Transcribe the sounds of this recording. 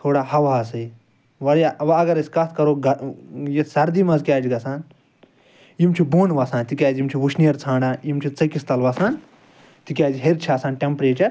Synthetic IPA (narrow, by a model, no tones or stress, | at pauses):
t̪ʰoːɽaːhɐʋaːɐsɨi | ʋɐɾjaʋɐɐɡɐɾɐsʲkɐt̪̚ʰkɐɾoːɡɐjesɐɾd̪imɐzkʲjaːd͡ʒiɡɐsaːn | jimt͡ʃʰiboːnʋɐːsãːnt̪ikʲaːzimt͡ʃʰiʋuʃʰnijɐɾt͡sʰãːɳɖaːjimt͡ʃʰit͡sɐkist̪ɐlʋaːsaːn | t̪ikʲaːziɦeɾt͡ʃʰaːsaːnʈʲempɾeːt͡ʃɐɾ